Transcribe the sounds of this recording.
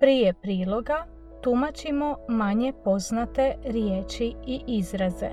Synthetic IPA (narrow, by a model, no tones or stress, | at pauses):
pɾijepɾiːlˠo̞ɡa | t̪umat͡ɕimo̞maɲe̞po̞znat̪e̞ɾjeːt͡ʃiiʔizɾazḛ